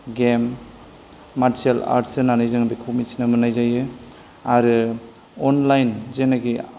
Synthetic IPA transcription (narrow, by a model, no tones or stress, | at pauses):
ɡemː | aɾsiela̰ɾtsɯnanajzaŋbikʰomisʰinamɯnajzajɯ | aɾɯ | ɔnlajnzenaɡi